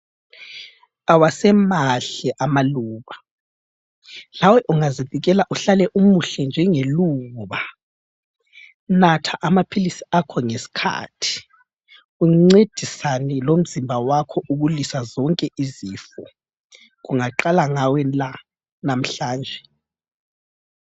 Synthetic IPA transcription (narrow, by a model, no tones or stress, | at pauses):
awasɛmaɬɛʔamaluːβa | lawɛʔuŋaziviɣ̬ɛlaʔuɬalɛʔumuɬɛnd͡ʒʱɛŋeluːβa | natʰaʔamapʰilisiakʰɔŋesi̥kʰa̰ːtʰi̥ | uŋ͡ǀed̥ʱisanɛlom̩zimbʱawakʰɔʔuɣulisazɔŋkʼɛʔiziːfɔ | ɣuŋaǃalaŋawɛla | nam̩ɬaːnd͡ʒʱɛ